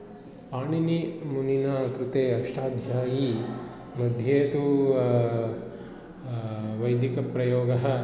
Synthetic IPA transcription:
paːɳinimuninɐkɾɪt̪eːɐkʂʈaːd̪ʱjaːji | mɐd̪ʱjeːt̪u | ʋɐjd̪ikɐpɾɐjoːɡɐɦɐ̆

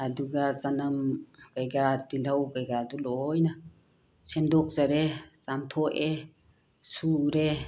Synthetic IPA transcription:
aduɡazanɐmkajɡatilawkajɡaːdulɔjna | semdɔk̚zaɾezamtʰɔʔe | suɾe

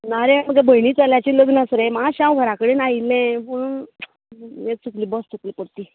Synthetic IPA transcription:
naɾeməɡabʱəjniːt͡saljat͡ɕiləɡnəsɾemaɕãwʋʱəɾakəɽenailẽpuɽ | et͡sʰukliːbɔst͡sʰukliːpəɽt̪iː

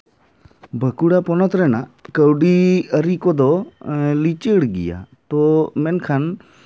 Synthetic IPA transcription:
bʱəkuɽapɔnɔt̪ɾɛnakəwɖiəɾikɔd̪ɔlit͡ʃəɽɡḭja̰t̪ɔmɛnkʰan

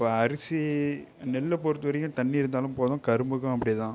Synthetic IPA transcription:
pːɐɐɾɪsinɛlːɐpɔɾɯt̪ːɯʋɐɾɐjʊ̃t̪ɐɳːiɪɾɯnd̪aːlɯ̃mpoːðɐ̃kɐɾɯmbɯɣɐ̃ɐpːɐɽɪjɐt̪ãː

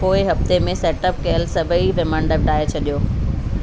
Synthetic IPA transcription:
poːɪɦɐft̪emẽsɛːʈəp̚kɐjəlsɐbʱəiʋɪmãːɳɖəp̚ɖaːet͡ɕʰɐɗijoː

